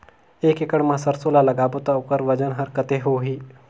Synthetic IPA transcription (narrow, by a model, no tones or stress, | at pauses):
ekekəɽmãsəɾsolalɐɡabot̪aukəɾʋəd͡ʑənɦəɾkət̪eɦoɦiː